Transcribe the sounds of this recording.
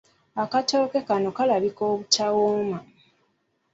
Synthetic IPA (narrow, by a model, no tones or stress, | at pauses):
akato̞ːke̞kano̞kalaβiko̞ːβutawoːma